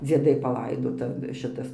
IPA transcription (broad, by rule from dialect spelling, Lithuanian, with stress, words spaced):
d͡zʲiɛˈdɐɪ pɐˈlˠɐɪdoːtɐ ˈʃʲɪtɐs